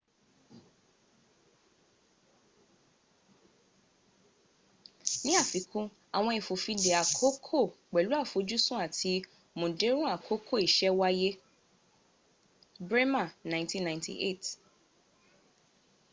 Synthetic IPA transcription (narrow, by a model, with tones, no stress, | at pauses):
nĩ˦a˦˨fi˨˦kũ˦ | a˨w̃ɔ̃˧i˨fo˨fĩ˧de˨a˨kʰo˨˦kʰo˦˨k͡pɛ˨lu˦a˦˨fo˨˧˦d͡ʒu˦sũ˦a˦˨tʰi˧ | mõ˨de˨˦ɾ̃ũ˦a˦˨kʰo˦kʰo˦˨i˨ʃɛ˦wa˦je˦ | bɾe˦mã˦˨nã˨ntĩ˦nːã˨j̃ntḭ˨ʔḛ˦˨t